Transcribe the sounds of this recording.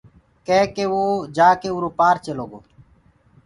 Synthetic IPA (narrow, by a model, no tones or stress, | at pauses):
keːkeːʋoːd͡ʒaːkeːuːɾoːpaːɾt͡ʃeloːɡoː